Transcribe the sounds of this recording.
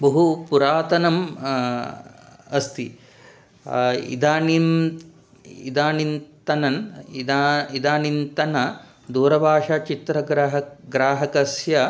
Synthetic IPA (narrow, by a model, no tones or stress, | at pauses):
bɐɦupuɾaːt̪ɐnɐm | ɐst̪ʰi | ḭd̪aːnin | id̪aːnint̪ɐnɐnd̪aid̪aːnint̪ɐnɐ | d̪uːɾɐbʱaːʂat͡ʃit̪ɾɐɡɾɦɐɡɾaːɦɐkɐsjɐ